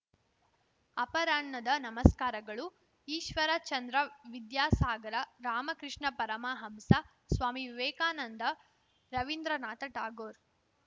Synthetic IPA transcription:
ɐpɐɾaːɳːɐd̪ɐnɐmɐskaːɾɐɡɐɭu | iːʃʋɐɾɐt͡ʃɐnd̪ɾɐʋid̪jaːsaːɡɐɾɐɾaːmɐkɾɪʂɳɐpɐɾɐmaːɦɐmsɐ | sʋaːmiʋeːkaːnɐnd̪ɐ | ɾɐʋind̪ɾɐnaːt̪ɐʈaːɡoːɾ

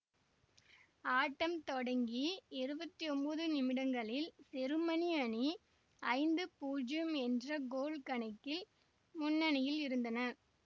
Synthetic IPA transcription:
aːʈːɐmt̪ɔɽɐŋɡiɛɾɯbɐt̪ːiɔmbɐðɯnɪmɪɽɐŋɡɐɭɪlsɛɾɯmɐniɐni | ɐɪnd̪ɯpuːd͡ʒjɯmɛndrɐɡoːlkɐɳɐɪkːɪl | mʊnːɐnɪjɪlɪɾɯnd̪ɐnɐɾ

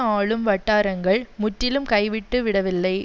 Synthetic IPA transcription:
aːɭɯmʋɐʈːaːɾɐŋɡɐɭmʊʈːɪlɯmkɐɪʋɪʈːɯʋɪɽɐʋɪlːɐɪ

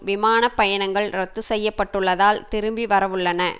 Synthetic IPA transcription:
ʋɪmaːnɐpːɐjɐɳɐŋɡɐɭɾɐt̪ːɯsɛjːɐpːɐʈːɯɭːɐðaːlt̪ɪɾɯmbiʋɐɾɐʋɯɭːɐnɐ

